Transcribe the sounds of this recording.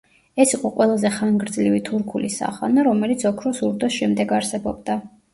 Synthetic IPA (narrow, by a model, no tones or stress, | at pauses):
ɛsiqʼɔqʼwɛlˠazɛχanɡɾd̪zlivit̪ʰuɾkʰulisa̰χa̰naɾɔmɛlit̪sʰɔkʰɾɔsuɾd̪ɔsʃɛmd̪ɛɡaɾsɛbɔb̚d̪a